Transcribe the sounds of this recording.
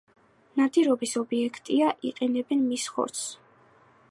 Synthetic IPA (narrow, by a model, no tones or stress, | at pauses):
nad̪iɾɔbisɔbiɛkʰt̪ʼiaʔiqʼɛnɛbɛnmisχɔ̰ɾt̪s